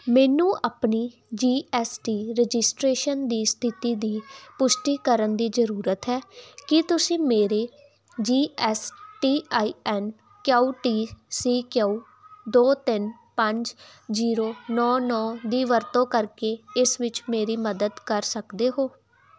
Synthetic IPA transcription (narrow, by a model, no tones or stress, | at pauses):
mɛːnũːʔaːpniː | d͡ʒiːʔɛːsʈiːɾɛd͡ʒɪsʈɾeːʃənd̪iːst̪ʰɪt̪iːd̪iːpʊʃʈiːkəɾənd̪iːzəɾuːɾət̪ɦɛːkɪt̪ʊsĩːmeːɾeː | d͡ʒiːɛːsʈiːaːiːɛːn | kjaːuːʈiːsiːkjaːuː | d̪oːt̪ɪn | pəɲd͡ʒziːɾoːnɔːnɔːd̪iːʋəɾt̪õːkəɾkeːɪsʋɪt͡ʃmeːɾiːməd̪əd̪kəɾsəkd̪eːɦoː